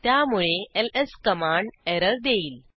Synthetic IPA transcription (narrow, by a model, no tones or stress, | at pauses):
t̪jamuɭeeleskəmaɳɖeɾəɾd̪eiːl